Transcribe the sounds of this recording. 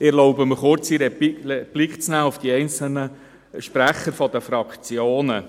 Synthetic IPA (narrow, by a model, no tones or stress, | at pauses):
ɪɛloʊbəməχʊɾt͡siɾəb̥lɪkχt͡snæːʊfd̥iɛɪnt͡səl̩nə | ʃpɾæχːəɾfɔd̥̪əfɾɑkt͡sjoːnə